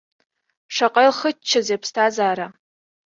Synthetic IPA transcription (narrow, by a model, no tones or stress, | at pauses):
ʂaqʼajlχət͡ʃʰːazejpʰstʰazaːɾa